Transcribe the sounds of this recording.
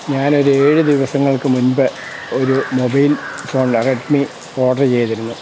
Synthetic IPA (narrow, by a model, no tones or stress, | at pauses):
ɲaːno̞ɾueːɻɨd̪iʋɐsɐŋːɐɭkɨmunbɐ | oɾumobɐjlfoːɳɖreʈmi | o̞ːʈɐrt͡ɕe̞jɐt̪iɾunːu